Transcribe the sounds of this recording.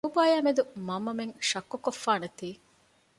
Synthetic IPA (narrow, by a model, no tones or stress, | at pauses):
ubaːjaːmed̪umɐmːɐmeŋʃɐkːukofːaːnet̪iː